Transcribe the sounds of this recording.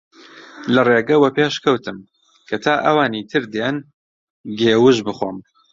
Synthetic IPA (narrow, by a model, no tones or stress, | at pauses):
lɐreːɡɐwɐpeːʃkʰɐwt̪ʰɨm | kʰɐt̪ʰaːʔɐwaːniːt̪ʰɨɾd̪jen | ɡeːwɨʒbɨxoːm